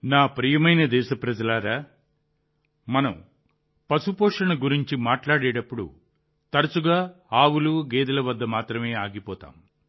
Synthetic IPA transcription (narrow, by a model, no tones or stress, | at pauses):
naːpɾijɐmɐjnɐd̪ɛːʃɐpɾɐd͡ʒɐlaːɾaː | mɐnɐ̰m | pɐsupɔːʂɐɳɐɡuɾiɲt͡ʃimaːʈlaːɽɛːɽɐpːuɽṵ | t̪ɐɾɐsuɡaːaːwuluɡeːd̪ɐlɐʋɐd̪ːɐmaːt̪ɾɐme̞ːaːɡipɔːt̪a̰ːm